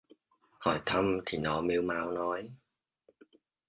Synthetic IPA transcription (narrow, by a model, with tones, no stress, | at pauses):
hɔ˧˩jt̪ʰə˧mt̪ʰi˨˩nɔ˨˦mi˧˦wmaː˨˦wnɔ˨˦j